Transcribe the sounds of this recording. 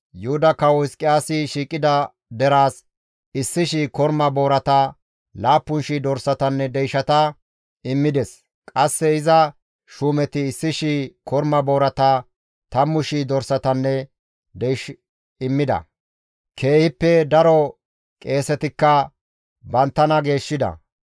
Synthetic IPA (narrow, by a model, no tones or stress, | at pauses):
jʊhʊd̪ɐkɐwɪskʼɪjaːsɪʃiːkʼɪd̪ɐ | d̪ɛɾaːs | ɪsːɪʃɪkɔɾmɐbo̞ːɾɐt̪ɐ | laːpːʊnʃid̪ɔɾsɐt̪ɐnːɛd̪ɛjʃɐt̪ɐ | ɪmːɪd̪ɛs | kʼɐsːɛɪzɐ | ʃuːmɛt̪ɪːsːɪʃikɔɾmɐbo̞ːɾɐt̪ɐ | t̪ɐmːʊʃid̪ɔɾsɐt̪ɐnːɛ | d̪ɛjʃ | ɪmːɪd̪ɐ̰ | kʰe̞ːhɪpːɛd̪ɐɾɔ | kʼe̞ːsɛt̪ɪkːɐ | bɐnt̪ːɐnɐɡe̞ːʃːɪd̪ɐ̰